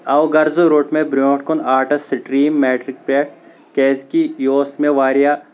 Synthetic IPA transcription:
ɐwɡɐɾzoɾoːʈmẽbɾoːʈkonaːɾʈɐsɪʈɾiːmːeːʈɾɪk̚peːʈ̚ | kɛːskijoːsmẽʋaːɾija

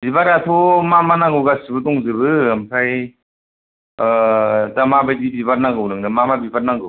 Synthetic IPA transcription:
bibaɾatʰɔmamanaɡɯwɡasibɯtɔŋzɯbɯamkʰaj | damabajdibibaɾnaŋɡɯwnɯŋdɯmamabibaɾnaɡɯw

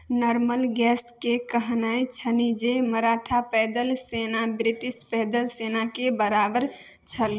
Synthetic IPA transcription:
nɔɾməlɡɛskekəɦnajt͡ʃʰənid͡ʒeməɾaʈʰapɛd̪əlsenabɾiʈispɛd̪əlsenakebəɾabəɾ | t͡ʃʰəl

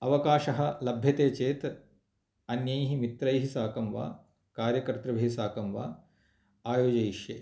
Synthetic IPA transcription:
ɐʋɐkaːʃɐɦɐ̆lɐbʱjɐt̪eːt͡ʃeːt̪ | ɐnjɐjɦimit̪ɾɐjɦisaːkɐmʋa̰ː | kaːɾjɐkɾt̪ɾɐʋɐɦisaːkɐmʋa̰ː | aːjoːd͡ʒɐjiʃjḛː

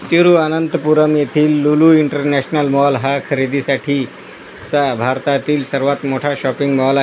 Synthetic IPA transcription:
t̪uɾuanənt̪əpuɾəmjet̪ʰiːlːuluiɳʈəɾnæɕnəlmɔlɦakʰəɾid̪isaʈʰiː | t͡sabʱaɾt̪at̪iːlsəɾʋat̪moʈʰaɕɔpiŋɡmɔla

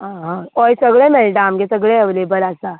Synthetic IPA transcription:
ɦãɦãɔjsəɡɭemɛɭʈãamɡesəɡɭeɦəʋlebəɾasa

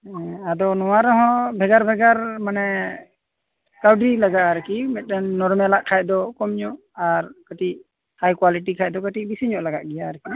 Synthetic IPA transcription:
ad̪ɔnɔwaɾɔɦɔ̃bʱɛɡaɾbʱɛɡaɾmanɛ | kawɖɾilaɡaʔaɾəkimɛt̪̚ˀɗɛnːɔɾmɛlaʔkʰaj̚d̪ɔkɔmɲɔʔ | aɾkəʈiʔ̚ | hajkwaliʈ̬ikʰaj̚d̪ɔkəʈiʔ̚bisiɲɔʔlaɡaʔɡɛjaɾəki

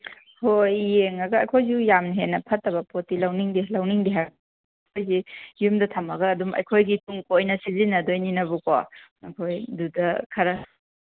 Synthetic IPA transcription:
hojːeŋɐɡɐːjkʰojzijamnɦenːɐpʰɐtːɐbɐpotːilɐwniŋdilɐwniŋdiɦaɡ | kʰojzijumdɐtʰɐmɐɡɐːdumɐ̰jkʰojɡitʰuŋkojnɐsizinɐdojninɐbuka̰ɐkʰojdudɐkʰɐɾɐ

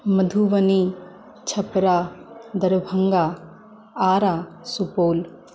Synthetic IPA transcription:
mɐd̪ʱuʋɐni | t͡ʃʰɐpɾad̪ɐɾbʱɐŋɡaː | aːɾaː | supoːl

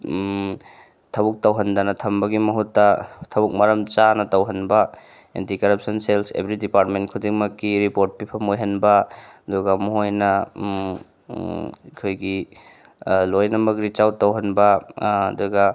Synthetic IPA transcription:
tʰɐbuk̚tɐwɦɐndɐnɐtʰɐmbɐɡimɐɦutːɐtʰɐbuk̚mɐɾɐmt͡ʃanɐtɐwɦɐnbɐ | ḛntikɐɾɐp̚sɐnselsḛbɾidipaɾtmentkʰudiŋmɐkːiɾipoɾt̚pipʰɐmojɦɐnbɐɐduɡɐmuɦojnɐ | kʰojɡi | lojnɐmɐk̚ɾit͡ʃawtɐwɦɐnbɐɐ̰duɡɐ

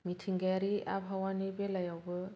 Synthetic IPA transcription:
mitʰiŋɡaɾia̰bʱawanibelajawbɯ

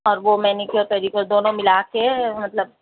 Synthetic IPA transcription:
ɔːɾʋomɛːnikiɔːɾpɛːɾikəɾd̪oːnõmɪlakemɐt̪ləb̚

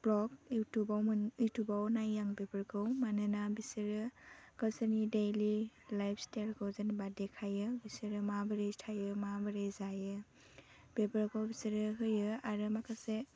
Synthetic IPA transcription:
b̥lɔɡjutubawmɯnɯjtubawnajːaŋbebəɾɡʰɯwmanɯnabisiɾɯkasənidelilajpʰstaɾɡʰɯwzɯnbadekʰajɯbisɯɾɯmabɯɾestʰajɯmabɯɾejzajɯ | b̥ebəɾɡɯwbisiɾɯɦɯjɯaɾɯmakʰase

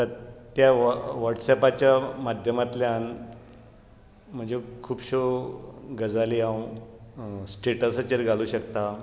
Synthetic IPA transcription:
t̪əɾt̪jaʋəʈsɛpat͡ɕjamad̪ʱjəmat̪ljan | m̤əɳd͡zekʰuːpɕo | ɡəd͡zaliãw | sʈɾeʈəst͡ɕeɾɡʱaluːɕəkt̪a

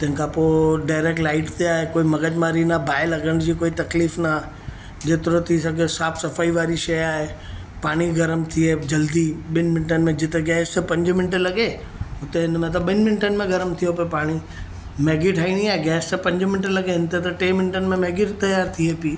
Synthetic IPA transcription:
t̪ɐ̃ɦɪ̃kʰãpoːɖaːɪɾeːk̚ʈlaːɪʈt̪eaːɦekoːimɐɡəd͡ʑmaːɾinɐbʱaːɪlɐɡəɽ̃d͡ʑikoːit̪ɐkliːfna | d͡ʑeːt̪ɪɾot̪ʰisɐɡesaːbsɐfaːiʋaːɾiʃɐjaːɦe | paːɽ̃iɡɐɾəmt̪ʰied͡ʒɐld̪iɓɪnmɪ̃nʈənɪ̆mẽd͡ʑɪt̪eɡɛːst̪əpɐ̃ɲd͡ʑmɪnɪʈlɐɡe | ʊt̪eɪnmẽt̪̬ɐɓɪnmɪnʈənɪ̆mẽɡɐɾəmt̪ʰijopepaːɽ̃i | meːɡiʈʰaːiɽ̃iaːɦeɡɛːst̪ɐpɐ̃ɲd͡ʑmɪnɪʈlɐɡeɪnt̪et̪ɐʈeːmɪnʈənɪ̆mẽmeːɡiʈt̪ɐjaːɾt̪ʰiepiː

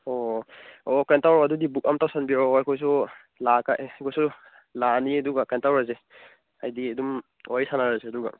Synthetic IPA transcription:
o | okentawɾɔadudibuk̚amtawsanbioajkʰɔjs̬u | lakaʔajkʰɔjsu | laniɐduɡakantawɾaze | ajdiɐdum | ɔjsanaɾaseɐduɡa̰

